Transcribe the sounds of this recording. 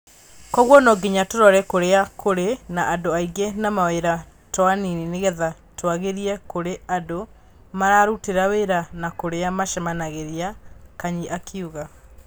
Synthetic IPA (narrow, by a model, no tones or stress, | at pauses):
kɔɣwɔnɔɡiɲatoɾɔɾɛkoɾeakoɾenaʔadoaiɡenamaweɾa | tɔaninineɣɛða | twaɣeɾiɛkoɾeado | maɾaɾuteɾaweɾanakoɾeamaʃɛmanaɣeɾiakaɲiʔakʰiuɣa